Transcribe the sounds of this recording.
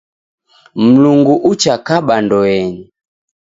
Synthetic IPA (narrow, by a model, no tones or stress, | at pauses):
m̩luŋɡuʔut͡ʃakaɓandɔɛɲi